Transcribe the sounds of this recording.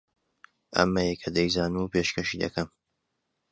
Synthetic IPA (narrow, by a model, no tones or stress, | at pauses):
ʔɐ̰mːɐjekʰɐd̪ɐjzaːnuːpeːʃkɐʃid̪ɐ̰kʰɐm